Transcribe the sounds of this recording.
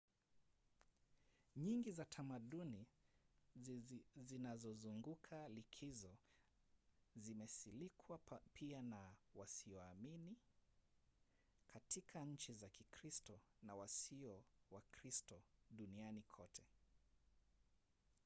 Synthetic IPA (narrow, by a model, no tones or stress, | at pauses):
ɲiŋɡizatʰamaɗuni | zinazɔzuŋɡukʰalikʰizɔ | zimɛsilikʰwapʰianawasiɔamini | kʰatikʰaɲ̩t͡ʃizakikɾistɔnawasiɔwakɾistɔɗunianikʰɔtʰɛ